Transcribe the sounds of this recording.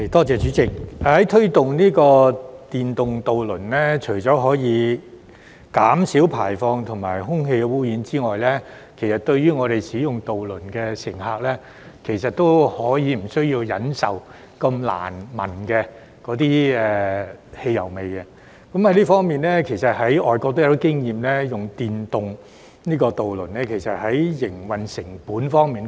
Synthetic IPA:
t̪ɔː˥t͡sɛː˨˧t͡ʃyː˨˧˥t͡sɪ˨˩k̚ːhɐ˨˥jt̪ʰɵ˥ɥt̪ʊ˨ŋniː˥kɔː˧t̪iː˨nt̪ʊ˨ŋt̪o˨wlɵ˨˩nlɛ˥t͡ʃʰɵ˨˩ɥt͡sɔː˨˥ɦɔː˨˥jiː˨˧ | kaː˨˥msiː˨˥wpʰaː˨˩jfɔː˧ŋt̪ʰʊ˨˩ŋmaː˨˩jɦʊ˥ŋɦe˧jkɛ˧wuː˥jiː˨˧˥nt͡siː˥ŋɔː˨jlɛː˥ | kʰe˨˩jsɐ˨˩t̚t̪ɵ˧ɥyː˥ŋɔː˨˧ɾe˨jsiː˨˥jʊ˨ŋt̪o˨wlɵ˨˩nkɛː˧sɪ˨˩ŋɦaː˧k̚lɛ˥ | kʰe˨˩jsɐ˨t̚t̪o˥whɔː˨˥jiː˨˧m̩˨˩sɵ˥ɥjiː˧wjɐ˨˥nsɐ˨w | kɐ˧mla̰ː˨˩nmɐ̰˨˩nkɛː˧ | kɔː˨˥t̪iː˥ɛː˨he˧jɐ˨˩wme˨jɐ˧ | kɐ˨˥mhɐ˨˥jliː˥fɔː˥ŋmiː˨nlɛː˥kʰe˨˩jsɐ˨t̚hɐ˨˥jɔː˨jkɔː˧k̚t̪o˥ja˨˧t̪iː˥kɪ˥ŋjiː˨mlɛː˥jʊ˨ŋt̪iː˨nt̪ʊ˨ŋ | niː˥kɔː˧t̪o˨wlɵ˨˩nlɛ˥kʰe˨˩jsɐ˨t̚hɐ˨˥jjɪ˨˩ŋwɐ˨nsɪ˨˩ŋpuː˨˥nfɔː˥ŋmiː˨n

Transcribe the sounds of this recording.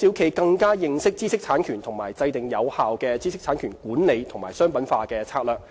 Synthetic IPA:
siː˨˧wkʰe˨˧jkɐ˧ŋkaː˥jɪ˧ŋsɪ˥k̚t͡siː˥sɪ˥k̚t͡sʰaː˨˥nkʰyː˨˩nt̪ʰʊ˨˩ŋma̰ː˨˩jt͡sɐ˧jt̪ɪ˨ŋjɐ˨˧whaː˨wkɛː˧t͡siː˥sɪ˥k̚t͡sʰaː˨˥nkʰyː˨˩nkuː˨˥nne˨˧jt̪ʰʊ˨˩ŋmaː˨˩sœː˥ŋpɐ˨˥nfaː˧kɛː˧t͡sʰaː˧k̚lœː˨

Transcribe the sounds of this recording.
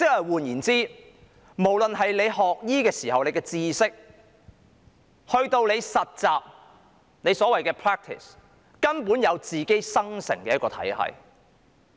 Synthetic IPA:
t͡sɪ˥k̚hɐ˨˩jwuː˨˩njiː˨˩nt͡siː˥ | mo˨˩wlɵ˨nɦɐ˨jle˨˧jhɔː˨k̚jiː˥kɛː˧siː˨˩ɦɐ˨wne˨˧jkɛː˧t͡siː˧˥sɪ˥k̚ | hɵ˧ɥt̪o˧wle˨˧jsɐ˨t̚t͡saː˨p̚ | ne˨˧jsɔː˨˥wɐ˨jkɛː˧pʰɹɛː˥k̚t̪ʰɪ̰˨˩s | kɐ˥npuː˨˥njɐ˨˧wt͡siː˨ke˥jsɐ˥ŋsɪ̰˨˩ŋkɛː˧jɐ˥t̚kɔː˧t̪ʰɐ̰˨˥jhɐ̰˨j

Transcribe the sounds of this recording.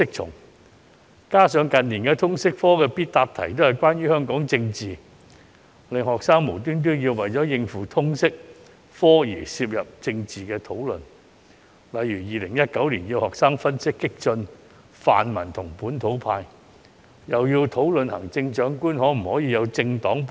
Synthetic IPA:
sɪ˥k̚t͡ʃʰʊ̰˨˩ŋ | kaː˥sœː˨˧ŋkɐ˨nniː˨˩nkɛː˧t̪ʰʊ˥ŋsɪ˥k̚fɔː˥kɛː˧piː˥t̚t̪aː˧p̚t̪ʰɐ̰˨˩jt̪̬o˥hɐ˨jkʷwaː˥nɥyː˥hœː˥ŋkɔː˨˥ŋt͡sɪ˧ŋt͡siː˨˩ | lɪ˨ŋhɔː˨k̚saː˥ŋmo˨˩t̪yː˥nt̪̬yː˥njiː˧wwɐ˨jt͡sɔ˨˥jɪ˧ŋfuː˨˩t̪ʰʊ˥ŋsɪ˥k̚ | fɔː˥jiː˨˩siː˧p̚jɐ˨p̚t͡sɪ˧ŋt͡siː˨˩kɛː˧t̪ʰo˨˥wlɵ̰˨n | lɐ˨˧jyː˨˩jiː˨lɪ˨˩ŋjɐ˥t̚kɐ˨˥wliː˨˩njiː˧whɔː˨k̚saː˥ŋfɐ˥nsɪ˥kːɪ˥k̚t͡ʃɵ˧n | fa̰ː˨nmɐ˨˩nt̪ʰʊ˨˩ŋpuː˨˥nt̪ʰo˨˥wpʰaː˧j | jɐ˨˩wjiː˧wt̪ʰo˨˥wlɵ˨nhɐ̰˨˩ŋt͡sɪ˧ŋt͡ʃœː˨˥ŋkuː˥nhɔː˨˥m̩˨˩hɔː˨˥jiː˨˧jɐ˨˧wt͡sɪ˧ŋt̪ɔː˨˥ŋp

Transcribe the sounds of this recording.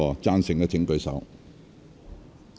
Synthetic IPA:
ɔː˧t͡saː˥nsɪ˨˩ŋkɛː˧t͡sʰɪ˨˥ŋkɵ˨˧ɥsɐ̰˨˥w

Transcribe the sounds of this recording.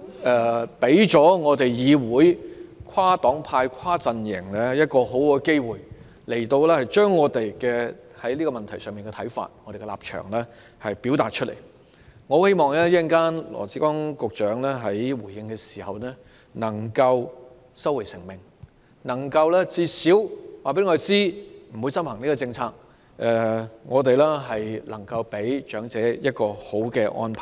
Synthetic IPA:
ʔɛ˧pe˨˥jt͡ʃɔː˨˥ŋɔː˨˧t̪e˨jjiː˨˧wuː˨˥jkʰwaː˥t̪ɔː˨˥ŋpʰaː˧jkʰwaː˥t͡sɐ˧njɪ˨˩ŋlɛ˥jɐ˥t̚kɔː˧ɦo˨˥wkɔː˧ke˥jwuː˨j | le˨˩jt̪o˧wlɛː˥hɐ˨jt͡ʃœː˥ŋːɔː˨˧t̪e˨jkɛː˧hɐ˨˥jliː˥kɔ˧mɐ˨nt̪ʰɐ˨˩jsœː˨ŋmiː˨nkɛ˧t̪ʰɐ˨˥jfa̰ː˧t̚ŋɔː˨˧ɾe˨jkɛ˧la̰ː˨p̚t͡ʃʰœ̰ː˨˩ŋlɛː˥ | hɐ˨jpi˨˥wt̪aː˨t̚t͡ʃʰɵ˥t̚lʔe˨˩j | ŋɔː˨˧he˥jmɔː˨ŋlɛː˥ji˥ŋkaː˥nlɔ̰ː˨˩t͡si˨˥kɔː˥ŋkʊ˨k̚t͡ʃœː˨˥ŋlɛː˥ɦɐ˨˥jwuː˨˩jɪ˧ŋkɛː˧si̥ː˨˩hɐ˨wnɛː˥ | nɐ˨˩ŋkɐ˧w | sɐ˥we˨˩jsɪ˨˩ŋmɪ˨ŋ | nɐ˨˩ŋkɐ˧wlɛː˥t͡siː˧siː˨˥wwaː˨˩pe˨˥jŋɔ˧ɾe˨t͡siː˥m̩˨˩wu˨˧jsɐ˥mhɐ˨˩ŋniː˥kɔː˧t͡sɪ˧ŋt͡sʰaː˧k̚ | ʔɛ˧ŋɔː˨˧t̪̬e˨jlɛː˥ɦɐ˨jlɐ̰˨˩ŋkɐ˧wpe˨˥jt͡ʃœː˨˥ŋt͡sɛː˨˥jɐ˥t̚kɔː˧ho˨˥wkɛː˧ʔɔ̰ː˥npʰaː˨˩

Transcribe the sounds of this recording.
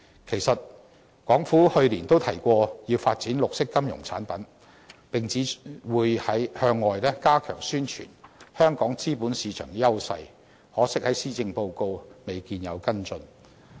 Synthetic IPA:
kʰe˨˩jsɐ˨t̚ | kʷɔː˨˥ŋfuː˨˥hɵ˧ɥliː˨˩nt̪o˥wt̪ʰɐ˨˩jkʷɔː˧jiː˧wfaː˧t̚t͡siː˨˥nlʊ˨k̚sɪ˥kːɐ˥mjʊ˨˩ŋt͡sʰaː˨˥npɐ˨˥n | pɪ˨ŋt͡siː˨˥wuː˨˧jhɐ˨˥jhœː˧ŋːɔː˨˧jlɛː˥kaː˥kʰœ̰ː˨˩ŋsyː˥nt͡ʃʰyː˨˩nhœː˥ŋkɔː˨˥ŋt͡siː˥puː˨˥nsiː˨˧t͡ʃʰœː˨˩ŋ˧jɐ˥wsɐ̰˧j | hɔː˨˥sɪ˥k̚hɐ˨˥jsiː˥t͡sɪ˧ŋpo˧wko˧wme˨jkiː˨njɐ̰˨˧wkɐ˥nt͡sɵ˧n

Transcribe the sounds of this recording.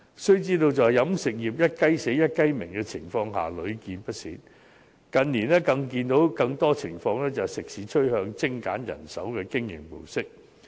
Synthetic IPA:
sɵ˥ɥt͡siː˥t̪o˧wt͡sɐ˨wɐ˨˩jɐ˨˥msɪ˨k̚jiː˨p̚jɐ˥t̚kɐ˥jse˨˥jɐ˥t̚kɐ˥jmɪ˨˩ŋkɛː˧t͡sʰɪ˨˩ŋfɔː˧ŋɦa̰ː˨lɵ˨˧ɥkiː˨˧npɐ˥t̚sḭː˨˥n | kɐ˨nniː˨˩nɛː˥kɐ˧ŋk̬iː˧nt̪o˨˥wkɐ˧ŋt̪ɔː˥t͡sʰɪ˨˩ŋfɔː˧ŋlɛː˥t͡sɐ˨sɪ˨k̚siː˨˥t͡ʃʰɵ˥ɥhœː˧ŋt͡sɪ˥ŋkaː˨˥njɐ̰˨˩nsɐ̰˨˥wkɛː˧kɪ˥ŋjɪ̰˨˩ŋpo˨˩wsɪ˥k̚

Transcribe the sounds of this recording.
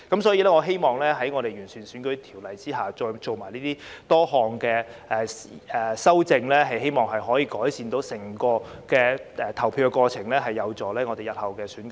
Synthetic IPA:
kɐ˨˥msɔː˨˥jiː˧lɛː˥ŋɔː˨˧ɦe˥jmɔː˨ŋlɛː˥ɦɐ˨˥jŋɔː˨˧ɾe˨jɥyː˨˩nsʰyː˨˩nsyː˨˥nkɵ˨˥ɥt̪ʰiː˨˩wlɐ˨jt͡siː˥ɦaː˨˩t͡sɔː˧t͡so˨wmaː˨˩jniː˥t̪iː˥t̪ɔː˥ɦɔː˨ŋkɛː˧ʔɛː˨ɛː˨˩sɐ˥wt͡sɪ˧ŋlɛː˥ɦɐ˨jɦe˥jmɔː˨ŋɦɐ˨jɦɔː˨˥jiː˨˧kɔː˨˥jsiː˨nt̪o˨˥wsɛ˨˩ŋkɔː˧kɛː˧ʔɛ˨˧t̪ʰɐ˨˩wpʰiː˧wkɛ˧kʷwɔː˧t͡sʰɪ˨˩ŋlɛː˥ɦɐ˨jːɐ˨˧wt͡sɔː˨˩lɛː˥ŋɔː˨˧e˨jɐ˨t̚hɐ˨˩wkɛː˧syː˨˥nk

